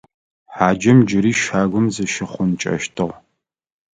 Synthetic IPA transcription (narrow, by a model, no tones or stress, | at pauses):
ħaːd͡ʒɐmd͡ʒɪɾiːʃaːɡʷʊmzɨʃɪχʷʊnt͡ʃʼɐ̰ʃtʰɨʁ